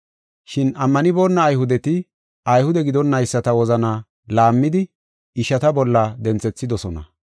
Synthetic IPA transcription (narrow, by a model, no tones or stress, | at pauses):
ʃɪnɐmːɐnɪbo̞ːnːɐːjhʊd̪ɛt̪ɪ | ʔɐjhʊd̪ɛɡɪd̪ɔnːɐjsːɐt̪ɐwɔzɐna | laːmːɪd̪ɪ | ɪʃɐt̪ɐbɔlːɐd̪ɛnt͡sɛt͡sːɪd̪ɔsɔnɐ̰